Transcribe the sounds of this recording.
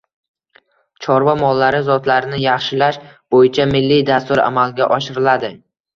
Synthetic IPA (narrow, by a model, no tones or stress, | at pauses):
t͡ʃʰɒɾvɒmɒlˠːaɾɪzɒt̪laɾɪnɪjɑχʃɪlaʃb̥ojɪt͡ʃʰamɪlːijd̪ast̪ʊɾa̰malˠɡʲaʔɒʃɪɾɪlad̪ɪ